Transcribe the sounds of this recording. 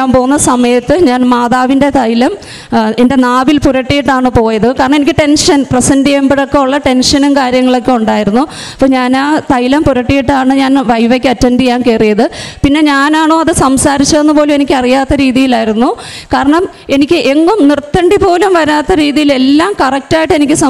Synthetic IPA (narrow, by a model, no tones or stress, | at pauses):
aːmpo̞ːɣunːɐsɐmɐjɐt̪ːɨɲaːnmaːðaːʋinde̞t̪ɐjilɐm | ende̞naːʋilpuɾɐʈːijiʈːaːɳɨpo̞ːjɐðɨkaːɾɐɳɐme̞nikʲːɨʈe̞nʂɐnprɐsɐndijɐmbiɽokːeuɭːɐʈe̞nʂɐnumkaːɾjɐŋːɐɭo̞kʲːeuɳɖaːjiɾunːu | ɐpːoːɲaːnaːt̪ɐjilɐmpuɾɐʈːijiʈːaːɳɨɲaːnʋɐjʋekʲːɐtːɐndijaːnkeːrijɐðɨpinːe̞ɲaːnaːɳo̞ːɐðɨsɐmsaːɾit͡ɕːɐenːɨpo̞ːlume̞nikʲːɨɐrijaːt̪ːɐɾiːðijilaːjiɾunːu | kaːɾɐɳɐm | e̞nikʲːɨʔe̞ŋːumnirt̪ːɐɳɖipo̞ːlumʋɐɾaːt̪ːɐɾiːðijile̞lːaːmkɐrɐk̚taːjiʈːɨenikʲːɨsɐ